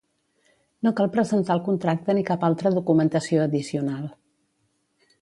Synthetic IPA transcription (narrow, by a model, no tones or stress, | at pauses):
nokalˠpɾəzənt̪aəlˠkunt̪ɾak̚t̪ənikapalˠt̪ɾəðukumənt̪əsioəðisiunalˠ